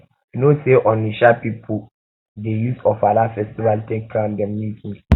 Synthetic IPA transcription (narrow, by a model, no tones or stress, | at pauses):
noseʔɔ̃niʃapipʰu | dejusɔfalafɛstivaltekkʰːãndɛ̃mːikĩŋ